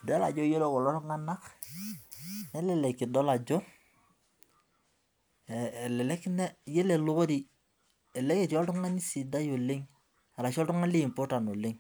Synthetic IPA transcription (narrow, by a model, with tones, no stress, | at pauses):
dɛ˦la̰˨d͡ʒɔ˦je˦lo˦kɔ˨lɔ˦ɾʊ˦ŋa˦na˦k | nɛ˦lɛ˦˨lɛ˨kːɪ˨dɔ˦la˨d͡ʒɔ˦˨ | lɛ˨lɛ˦knɛ˦je˦le˨lʊ˦ko˦ɾi˨ | ɛ˨lɛ˦ke˦˨tɔ˦ltʊ˦ŋa˦ni˦si˨da˦jo˨le˦ŋ | a˨ɾa˨ʃɔ˦ltʊ˦ŋa˦li˦˨mpo˦ta˨no˨le˦ŋ